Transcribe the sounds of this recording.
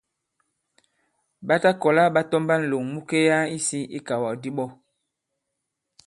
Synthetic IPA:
ɓa˦ta˦kɔ˨la˦ɓa˦tɔ˦mba˦n̩˨lo˨ŋmu˦ke˦ja˦i˦si˦ʔi˦ka˨wa˨di˦ɓɔ˦

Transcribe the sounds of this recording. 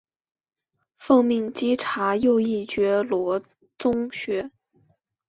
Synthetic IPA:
fɤ˥˧ŋmi˥˩ŋt͡ɕi˥ʈ͡ʂʰa˧˥jo˥˧ʊi˥˩t͡ɕɥɛ˧˥lwɔ˧˥ | t͡sʊ˥ŋɕɥɛ˧˥

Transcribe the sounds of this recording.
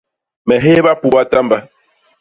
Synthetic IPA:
mɛ˨ɦe˦ba˦pu˦˨ba˦ta˦mba˦

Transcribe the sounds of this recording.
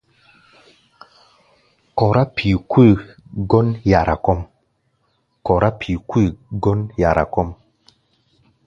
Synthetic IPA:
kɔ˨ɾa˦pʰi˨kwi˦˨ɡɔ˦nja˨ɾa˨kɔ˦m | kɔ˨ɾʔa˦pʰi˨kwi˦˨ɡɔ˦nja˨ɾʔa̰˨kɔ˦m

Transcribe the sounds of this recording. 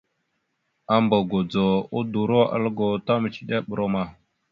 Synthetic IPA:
a˦mbo˨ɡo˨d͡zo˨u˦du˨ɾo˦ʔa̰˨lɡo˨ta˦mə˨t͡ʃi̥˨ɗa˦ɓə˨ɾo˦ma˨

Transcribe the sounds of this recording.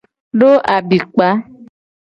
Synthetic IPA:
ɖo˦ʔa˨bi˨k͡pa˨˦

